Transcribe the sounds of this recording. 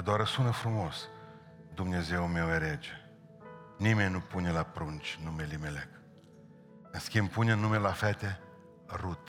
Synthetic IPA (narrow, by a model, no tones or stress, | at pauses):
d̪oaɾəsunəfɾumo̞s | d̪umne̞ze̞wmeweɾed͡ʒe | nimenʲnupune̞lapɾunt͡ʃʲnumelimelek | ɨnskʲimpuneɨnːumelafet̪e | rut̪